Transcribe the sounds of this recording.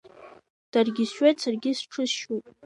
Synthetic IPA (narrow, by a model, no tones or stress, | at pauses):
d̥arɡʲɪsʃᶣat͡sʰarɡʲɪsʈ͡ʂʰɨʃupʼ